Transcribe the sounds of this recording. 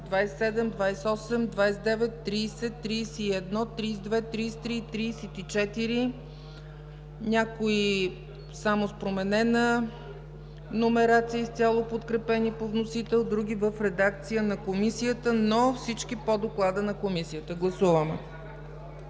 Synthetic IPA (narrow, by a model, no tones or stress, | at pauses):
d̪vajsːɛd̪ɛmd̪vajsɛɔsɛmd̪vajsɛd̪ɛvɛt̪ːɾiːsɛt̪ːɾiːsɛiɛd̪nɔt̪ɾiːsd̪vɛt̪ɾiːst̪ɾit̪ɾiːsɛt̪it͡ʃɛt̪iɾi | nʲakoi | samospɾomɛnɛnə | nomɛɾat̪siəst̪ʲjalˠopot̪kɾɛpɛnipovnosit̪ɛlˠd̪ɾuɡʲivəfɾɛd̪ak̚t̪sijənɐkomisiət̪ənofsit͡ʃkipod̪oklˠad̪ənɐkomisiət̪əɡlˠɐsuvəmɛ̰